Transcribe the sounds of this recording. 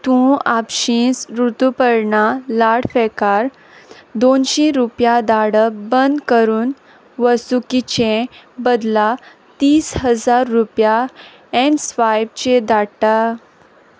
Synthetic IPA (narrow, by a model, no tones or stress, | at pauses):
t̪ũapɕĩːsɾut̪upəɾɳalaɽfɛkaɾ | d̪onɕĩɾupjad̪aɽəbənd̪kəɾuːn | ʋəsukit͡ɕẽbəd̪la | t̪iːsɦəd͡zaɾːupja | ɛnsfajbt͡ɕed̪aɽʈa